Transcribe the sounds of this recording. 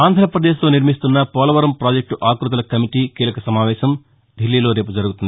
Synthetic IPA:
aːnd̪ʱɾɐpɾɐd̪eːʃt̪o̞ːniɾmist̪unːɐpɔːlɐʋɐɾɐmpɾaːd͡ʒek̚ʈuʔaːkɾut̪̬ɐlɐkɐmiʈiːkiːlɐkɐsɐmaːʋɛːʃɐm | ɖʱilːiːlo̞ːɾe̞ːpud͡ʒɐɾuɡut̪und̪i

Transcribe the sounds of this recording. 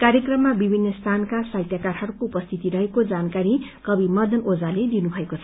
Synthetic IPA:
kaɾjʌkrʌmːabibʱinːʌst̪ʰankasajt̪jakarɦʌɾukoupʌst̪ʰit̪iɾʌɦekod͡zankaɾi | kʌbimʌd̪ʱʌnod͡zaled̪inubʱʌekot͡sʰʌ

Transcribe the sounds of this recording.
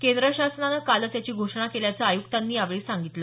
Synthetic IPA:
kend̪ɾəɕasnanakalət͡s̪jat͡ɕiːɡʱoʂɳakeljat͡səajukt̪anːiːjaʋɭiːsaŋɡit̪lə

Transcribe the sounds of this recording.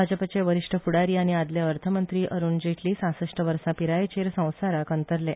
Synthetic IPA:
ad͡ʑəpat͡ɕeʋəɾiʂʈʰəfuɽaɾiːaɽ̃iad̪ljaəɾt̪ʰəmənt̪ɾiːʔəɾuːnd͡ʑeʈʰliːsãsəʂʈʰəʋəɾsãpiɾajet͡ɕeɾsə̃w̃saɾakənt̪əɾle

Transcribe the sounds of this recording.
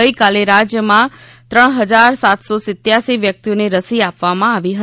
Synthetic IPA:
əikaleɾad͡ʒjəmã | t̪ɾəɳɦəd͡ʒaɾsat̪sosɪt̪jasiʋjək̚t̪ioneɾəsiapʋamãaʋiɦə

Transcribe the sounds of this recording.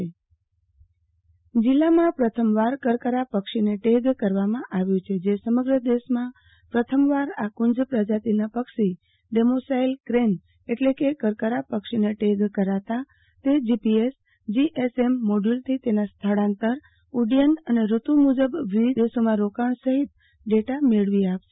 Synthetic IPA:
d͡ʒilːamãpɾət̪ʰəmʋaɾkəɾkəɾapəkʃineʈeɡkəɾʋamãʔaʋjũt͡ʃʰed͡ʒesəməɡɾəd̪eʃmã | pɾət̪ʰəmʋaɾakʊɲd͡ʒpɾəd͡ʒat̪inapəkʃi | ɖemosailkɾen | eʈlekekəɾkəɾapəkʃineʈeɡkəɾat̪a | t̪ed͡ʒipies | d͡ʒiʔesemːoɖult̪ʰit̪enast̪ʰəɽãnt̪əɾ | uɖijənəneɾut̪umud͡ʒəbʋid̪esomãɾokaɳsəɦit̪ | ɖeʈameɭʋiapʃe̥

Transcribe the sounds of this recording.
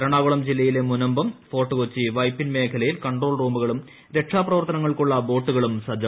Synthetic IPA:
ɐɾɐɳaːɣuɭɐmd͡ʑilːɐjilemunɐmbɐmfo̞ːʈːɐkut͡ɕːiʋɐjpːinme̞ːkʰɐlɐjilkɐɳɖro̞ːɭruːmbuɣɐɭum | ɾe̞ʈʂaːprɐʋɐrt̪ɐnɐŋːɐɭkuɭːɐbo̞ːʈːuɣɐɭumsɐd͡ʑɐ

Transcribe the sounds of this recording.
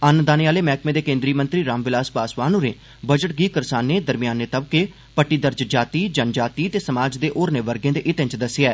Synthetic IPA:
ənd̪aːneːaːleːmɛːkmẽːd̪eːkẽːnd̪ɾiːmə̃nt̪ɾiːɾaːmʋɪlaːspaːsʋaːnoːneː | bəd͡ʒəʈɡiːkəɾsaːnːeːd̪əɾmɪjaːnːeːt̪əbkeː | pəʈːiːd̪əɾd͡ʒd͡ʒaːt̪iːd͡ʒənd͡ʒaːt̪iːt̪eːsəmaːd͡ʒd̪eːʔoːɾneːʋəɾɡẽːd̪eːʔɪt̪ə̃ɲt͡ʃd̪əsɪɛː

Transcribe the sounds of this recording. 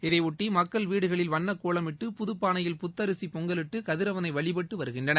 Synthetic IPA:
ɪðɐɪʊʈːimɐkːɐɭʋiːɽɯɣɐɭɪlʋɐnːɐkːuːɭɐmɪʈːɯpʊðɯpːaːnɐjɪlpʊt̪ːɐɾɯsipɔŋɡɐlɪʈːɯkɐðɪɾɐʋɐnɐɪʋɐɭɪpɐʈːɯʋɐɾɯɣɪndrɐnɐ

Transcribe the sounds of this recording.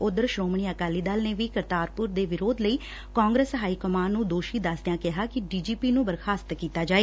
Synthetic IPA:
ʊd̪əɾʃɾoːmɳiːəkaːliːd̪aːlneːʋiːkəɾt̪aːɾpʊɾd̪eːʋɪɾoːd̪ləiː | kaːŋɡɾeːsɦaːiːkəmaːnũːd̪oːʃiːd̪əsd̪ejãːkɪɦaːkɪɖiːd͡ʒiːpiːnũːbəɾkʰaːst̪kiːt̪aːd͡ʒaːeː

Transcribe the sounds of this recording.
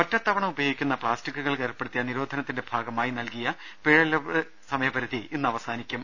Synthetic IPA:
mɐtːɐt̪ːɐʋɐɳɐmubɐjoːɡikʲːunːɐpɭaːstikʲːuɣɐɭkeːrpːeɽut̪ːijɐniɾo̞ːd̪ʱɐnɐt̪ːinde̞bʱaːɡɐmaːjinɐlkijɐ | peːɻɐlɐɨ | sɐmɐjɐbɐɾuðienːɨɐʋɐsaːnikʲːum

